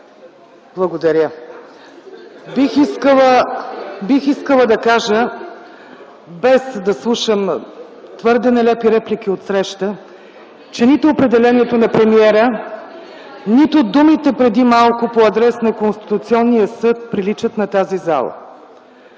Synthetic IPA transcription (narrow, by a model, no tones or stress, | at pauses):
blˠɐɡod̪ɐɾʲjə | bixiskəlˠə | bixiskəlˠəd̪ɐkaʒə | bɛsd̪ɐslˠuʃəm | t̪vɤɾd̪ɛnɛlɛpiɾɛplik̟iot̪sɾɛʃt̪ə | t͡ʃɛnit̪opɾɛd̪ɛlɛniɛt̪onɐpɾɛmiɛɾə | nit̪ʊd̪umit̪ɛpɾɛd̪imalˠkʊpoɐd̪ɾɛsnɐkonst̪i̥t̪ʊt̪siɔnːijəsɤt̪̚pɾilit͡ʃət̪nɐt̪aziza̰lˠə̰